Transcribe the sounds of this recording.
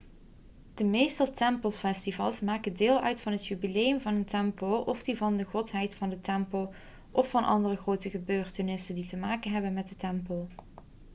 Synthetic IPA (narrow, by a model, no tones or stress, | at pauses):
d̥əmejstəlˠtɛmpəlˠfɛstivɑlˠsmaːkədɪːlˠœɥtfɑnɦətjybilejəmvɑnəntɛmpəlʔɔfdivɑndəχɔtɦɛjtfɑndətɛmpəlˠ | ʔɔfːɑnʔɑ̰ndərəχrowtəχəbøːrtənɪsənditəmaːkənɦɛbənmɛd̚dətɛmpəlˠ